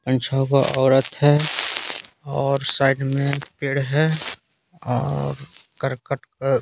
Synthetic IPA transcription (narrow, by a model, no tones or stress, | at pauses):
pə̃nt͡ʃʰakaʔɔːɾət̪ɦɛ | ɔːɾsaːɪɖmẽpeːɽɦɛ | ɔ̰ːɾkəɾkəʈk